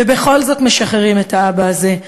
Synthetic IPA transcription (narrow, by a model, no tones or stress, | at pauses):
ebe̞χo̞lzo̞tmeʃaχeʁime̞tʰaabaːze̞